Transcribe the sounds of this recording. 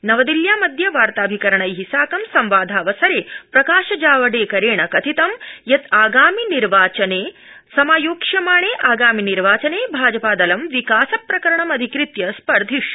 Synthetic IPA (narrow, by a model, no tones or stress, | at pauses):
nɐʋɐd̪iljaːmɐd̪ʱjɐʋaːɾt̪aːbʱikɐɾɐɳɐjɦisaːkɐmsɐmʋaːd̪ʱaːʋɐsɐɾeːpɾɐkaːʃɐd͡ʒaːʋɐɖeːkɐɾeːɳɐkɐt̪ʰit̪ɐmjɐt̪aːɡaːminiɾʋaːt͡ʃɐneː | sɐmaːjoːkʂɐmaːɳeːʔaːɡaːminiɾʋaːt͡ʃɐneːbʱaːd͡ʒɐpaːd̪ɐlɐmʋikaːsɐpɾɐkɐɾɐɳɐmɐd̪ʱikɾit̪jɐspɐɾd̪ʱiʂ